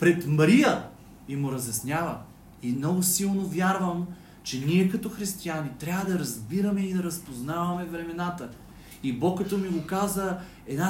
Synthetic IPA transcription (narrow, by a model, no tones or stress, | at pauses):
pɾɛt̪mɐɾijə | imʊɾɐzʲjɐsnʲavə | imnɔɡʊsilˠnovʲjaɾvəm | t͡ʃɛniɛkɐt̪ɔxɾist̪ianit̪ɾʲavəd̪ɐɾɐzbiɾɐmɛid̪ɐɾɐspoznavɐmɛvɾɛmɛnat̪ə | ibɔkːɐt̪ɔmiɡokazə | ɛd̪na